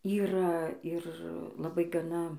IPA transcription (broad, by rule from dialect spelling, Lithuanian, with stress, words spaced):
ˈiːrɐ ɪr lˠɐˈbɐɪ ɡɐˈnɐ